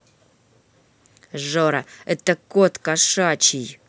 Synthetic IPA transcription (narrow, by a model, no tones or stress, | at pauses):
ʐoɾɐɛt̪ɐkot̪kaʂat͡ɕij